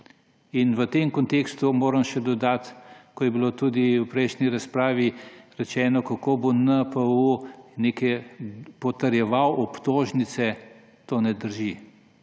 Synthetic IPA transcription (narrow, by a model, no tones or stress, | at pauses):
inʋət̪emkɔnt̪ekst̪umoːɾɐmʃɛd̪ɔd̪at̪kɔjɛbilot̪uːd̪iwpɾɛjʃniɾaspɾaːʋiɾɛt͡ʃɛːnɔkakoːbonəpəunekɛpɔt̪ɐɾjɛʋawʔɔpt̪oːʒnit̪sɛ | t̪onɛd̪əɾʒi